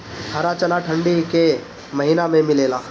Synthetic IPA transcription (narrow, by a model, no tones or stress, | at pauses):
ɦaɾat͡ʃɐnaʈʰə̃ɳɖike | mɐɦinamẽmɪleːlaː